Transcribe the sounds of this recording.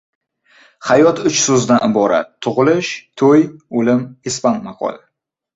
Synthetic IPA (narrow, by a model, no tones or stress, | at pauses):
hajɒt̪ʰʊt͡ʃsozd̪anɪbɒɾa̰t̪ʰːʊʁɨlɪʃt̪ʰojolɪmɪspanmɑqʰɒ̰la